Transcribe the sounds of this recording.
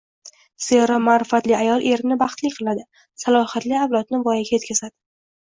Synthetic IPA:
seɾɒmaɾɪfat̪lɪajɒlˠʔe̞ɾɪnɪbɑχt̪lɪkʲqʰɨlˠad̪ɪ | salˠɒhat̪liawlˠɒt̪nɪvɒjaɡʲaje̞t̪kʲʰazad̪̥ɪ

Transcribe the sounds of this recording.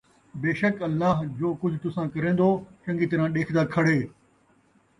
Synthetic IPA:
beːʃəkɐlːaːɦd͡ʑoːkʊd͡ʑʱt̪ʊsãːkɐɾẽːn̆d̪oːt͡ʃɐ̃ŋɡit̪ɐɾãːɗeːkʰd̪aːkʰɐɽ̤eː

